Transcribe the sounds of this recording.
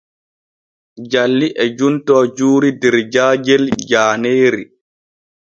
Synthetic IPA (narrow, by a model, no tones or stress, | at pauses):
d͡ʒalːiʔɛd͡ʒuntɔːd͡ʒuːɾidɛɾd͡ʒaːd͡ʒɛld͡ʒaːneːɾi